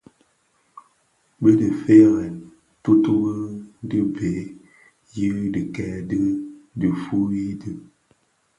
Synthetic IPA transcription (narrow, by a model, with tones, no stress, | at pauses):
bə˦də˨fe˦ɣɛ˨n | tu˦tu˦bə˦di˦be˨˦ | jə˦di˨kɛ˨˦dɨ˦di˨fu˦i˦dɨ˦